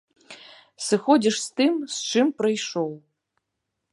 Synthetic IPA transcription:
sɨxodʲɛʂst̪ɨmsʈ͡ʂʰɨmprɐjʂow

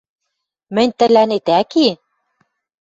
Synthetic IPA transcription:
mɘ̆nʲt̪ɘ̆lænet̪æki

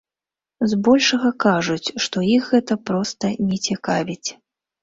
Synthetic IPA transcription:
zbɔlʲʂɐɣɐkaʐut͡sʲʂt̪ɔixɣɛt̪ɐpɾɔst̪ɐnʲɛt͡sʲɛkavʲit͡sʲ

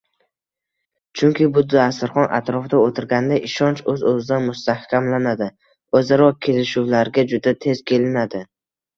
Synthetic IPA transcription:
t͡ʃʰʊŋkʲʰɪbʊd̪ɪasɪɾχɒnʔa̰t̪ɾɒfd̪aot̪ʰɪɾɡʲand̪aʔɪʃɒnt͡ʃɵzɵzɪd̪anmʊst̪ahkʲamlanad̪ɪ | ɵzaɾɒkʲʰe̞lɪʃuwlaɾɡʲad͡ʒʊd̪at̪ʰe̞zkʲʰe̞lɪnad̪ɪ

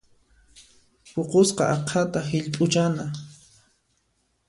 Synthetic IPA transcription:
poqosqɑ̰ʔɑqʰat̪aɦɪʎpʼʊt͡ʃana

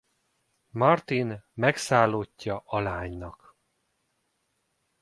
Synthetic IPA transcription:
mɒrt̪inmɛksaːlːocːɒʔɒlaːɲnɒk

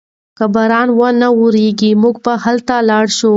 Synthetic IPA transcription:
kəbaɾɑnwanauɾeɡimuɡpahalt̪alɑɽʃu

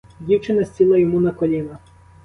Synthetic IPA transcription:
dʲiwt͡ʃɪnɐsʲt͡sʲilˠɐjɔmunɐkɔlʲinɐ

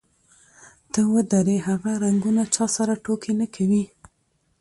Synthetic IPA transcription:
t̪əwəd̪aɾeɦaɣaɾaŋɡunat͡ʃɑsaɾaʈokʰenakʰawi

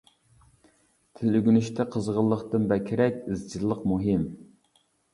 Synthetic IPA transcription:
t̪ʰɪlɪɡʲynyʃt̪ʰɛqʰəzʁəlˠːəχt̪ɨnbɛkʲʰɪɾɛkʲɪzd͡ʒilˠːəqmuɦɪm

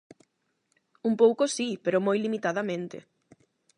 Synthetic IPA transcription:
umpowkosipeɾʊmojlimit̪að̞ɐmẽnt̪ɪ̰

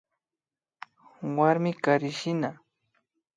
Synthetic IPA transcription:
waɾmɪkaɾɪʃɪna

